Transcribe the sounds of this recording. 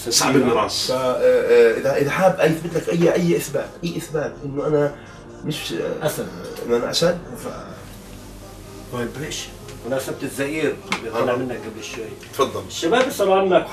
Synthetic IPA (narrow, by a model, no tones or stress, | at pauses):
ssˤaʕbɾˤɑ̰ːsfa | ʔɪðaʔɪðaħaːbːʔajɪθbɪt̪lakʔajːʔajːʔɪθbaːt̪ʔajːʔɪθbaːt̪ʔɪnːʊʔana | mɪʃʔasabʔɪ̰nːʊʔanaʔasabt̪fa̰ | wajbːlɪʃ | wʔanaʔasab̚t̪ɪzaʔiːɾbɪjɣɑːamɪnːak̚ɡablɪʃwajt̪fɑd̪ˤːɑlʃːamaːbisˤɑlʕanːak